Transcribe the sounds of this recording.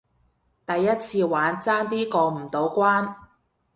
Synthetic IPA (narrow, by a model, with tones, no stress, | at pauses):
t̪ɐ˨jːɐ˥t̚t͡sʰiː˧waː˨˥nt͡saː˥nt̪̬iː˥kɔː˧m̩˨˩t̪o˨˥wkʷaː˥n